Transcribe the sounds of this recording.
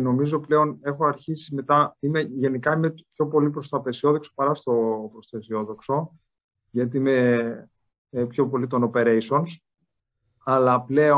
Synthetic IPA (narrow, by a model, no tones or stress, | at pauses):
no̞mizople̞o̞ne̞xoɐɾçisime̞t̪ɐime̞ʝe̞nikɐimepço̞po̞lipɾo̞st̪oɐpe̞sio̞ðo̞kso̥pɐɾɐst̪o̞pɾost̪oesio̞ðo̞kso̞ | ʝɐt̪̬iime̞ | pço̞po̞lit̪onope̞ɾe̞jso̞ns | ɐlɐple̞o